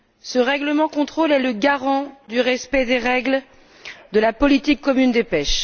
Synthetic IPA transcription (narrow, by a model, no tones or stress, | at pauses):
səʁɛɡləmɑ̃kɔ̃t̪χolɛləɡaʁɑ̃d̪yʁɛspɛd̪eʁɛɡl | d̪əlapɔlit̪ikːɔmynd̪epɛʃ